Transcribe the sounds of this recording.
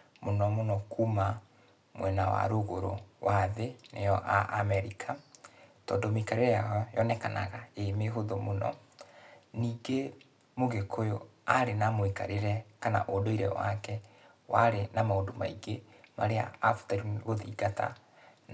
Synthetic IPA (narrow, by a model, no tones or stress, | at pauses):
monɔmonɔkʰuma | mwɛnawa̰ɾoɣoɾo̰waðenejɔʔa̰ʔamɛɾikʰatɔ̰ːndɔmoikaɾeɾɛjaɔjɔnɛkana̰ɣaemeɦoðomonɔ̰ | niːɡe | moɣekʰojoaɾenamwika̰ɾeɾɛkana̰ʔodoiɾɛ̰wa̰kɛ | wʔaɾenamaondomaiɡemaɾea̰ːfu̥taɾiɣoðiːɡata̰